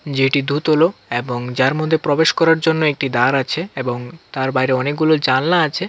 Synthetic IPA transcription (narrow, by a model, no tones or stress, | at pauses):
d͡ʑeʈid̪ʱut̪ɦoloeboŋd͡ʑaɾmod̪ʱːepɾobeʃkɔɾaɾd͡ʑonːoek̚ʈid̪aɾat͡ɕʰeeboŋt̪aɾbajɾeɔnek̚ɡulold͡ʑannaat͡ɕʰe